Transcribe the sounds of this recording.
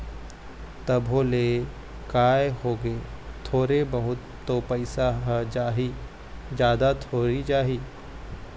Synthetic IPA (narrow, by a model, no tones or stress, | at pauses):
t̪ɐbʱoːle | kaːjɦoːɡet̪ʰoːɾebɐɦʊt̪ːopɐɪsaɦd͡ʒaːɦi | d͡ʒjaːd̪at̪ʰoːɾid͡ʒaːɦiː